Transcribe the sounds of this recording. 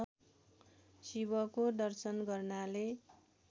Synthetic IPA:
sibʌkoɖʌrsʌnɡʌrnale

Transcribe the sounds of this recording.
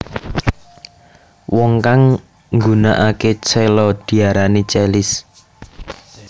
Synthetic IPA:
wɔŋkaŋ | ŋɡunaʔaket͡ʃelɔd̪̥i̤aɾanit͡ʃɛlɪs

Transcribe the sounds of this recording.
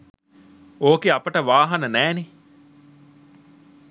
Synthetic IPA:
oːkeɐpəʈəʋaːɦɐnənæːne

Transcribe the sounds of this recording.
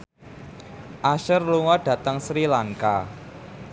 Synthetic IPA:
ʔaʃərluŋɔɖ̥ä̤t̪əŋsɾilaŋka̰

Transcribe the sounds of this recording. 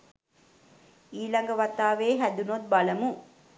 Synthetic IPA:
iːlɐŋɡəʋat̪ːaːʋeːɦæd̪unot̪̚balɐmu

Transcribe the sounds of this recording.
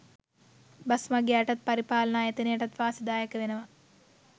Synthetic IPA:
bɐsmɐɡjeɐʈɐt̪̚pɐɾipaːlɐnaːjɐt̪ineɐʈɐt̪ʋaːsid̪aːjɐkɐʋenɐʋɐ

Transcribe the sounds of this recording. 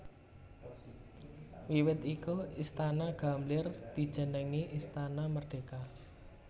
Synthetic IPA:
wiwɪt̪ikuist̪anaɡ̥a̤mlɪrd̪̥i̤d̥ʒ̥ə̤nəŋiʔist̪anamərɖ̥e̤ka

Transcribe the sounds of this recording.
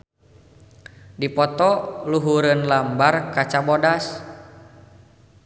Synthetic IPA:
dipɔt̪ɔluɦuɾənlambarkat͡ʃabɔdas

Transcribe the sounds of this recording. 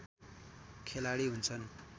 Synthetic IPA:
kʰelaɽiɦunt͡sʰʌn

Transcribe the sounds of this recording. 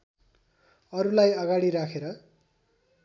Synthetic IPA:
ʌɾulajʌɡaɽiɾakʰeɾʌ

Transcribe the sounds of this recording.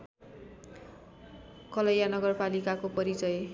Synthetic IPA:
kʌlʌjanʌɡʌrpalikakopʌɾit͡sʌj

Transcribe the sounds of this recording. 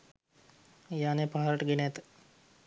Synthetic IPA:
jaːneːpaːɦaɾəʈəɡinet̪

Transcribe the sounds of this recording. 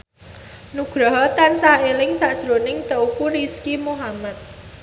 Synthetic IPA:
nuɡ̥ɾɔɦɔt̪ansaelɪŋsaʔd̥ʒ̥ɾonɪŋt̪əukuɾiskimuɦamat̪̚

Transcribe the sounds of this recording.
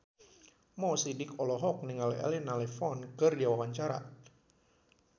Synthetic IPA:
mɔsidɪkɔlɔɦɔk̚niŋalɛ̰linalɛfɔnkɨrdiawawaɲt͡ʃaɾa̰

